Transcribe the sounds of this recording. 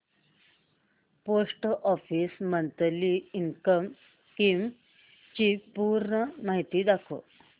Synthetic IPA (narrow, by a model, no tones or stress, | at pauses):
posʈʔɔfiːsmənt̪liiŋkəm | kim | t͡ɕipuɾɳəmaɦit̪id̪akʰo̰